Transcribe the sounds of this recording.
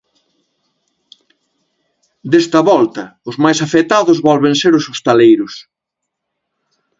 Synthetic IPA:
d̪est̪ɐβɔlt̪ɐʊzmajsafet̪aðʊzβɔlβenseɾʊsost̪alejɾʊs

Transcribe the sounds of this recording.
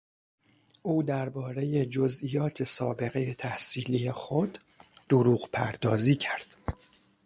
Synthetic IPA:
ʔuːd̪æɾbɒːɾe̞je̞d͡ʒozʔiːjɒːt̪ʰe̞sɒːbe̞ɣe̞je̞t̪ʰæhsiːlije̞xod̪ː | oɾuːɣpʰæɾd̪ɒːziːcʰæɾd̪̥

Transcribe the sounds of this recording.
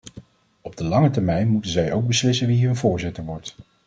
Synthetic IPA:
ɔb̚dəlɑŋətɛɹmɛjnmutənzɛjowɡ̚bəslɪsənʋiɦɵnvʊːɹzɪtəɹʋɔɹt

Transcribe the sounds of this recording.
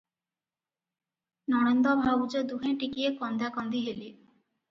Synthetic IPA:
nɔɽ̃end̪ɔbʱabud͡ʑod̪uɦeʈikiekɔnd̪akɔnd̪iɦeli

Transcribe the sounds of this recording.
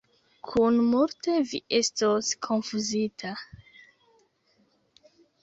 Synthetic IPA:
kʰunmulte̞viʔe̞stoskʰo̞nfuzitʰa

